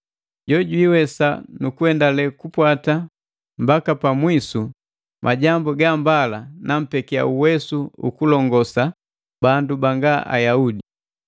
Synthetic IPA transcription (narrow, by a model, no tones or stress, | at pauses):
ɟɔɟiːwɛsanukuɛndalɛkupwata | mbakapamwisu | mʔaɟambuɡambalanam̩pɛkia̰uwɛsuṵkulɔŋɡɔsa | bandubaŋɡaʔa̰jaudi